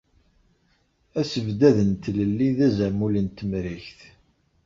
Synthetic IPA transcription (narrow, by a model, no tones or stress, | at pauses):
æsəvd̪æðənt̪ləlːiðæzæmulənt̪əmɾiçθ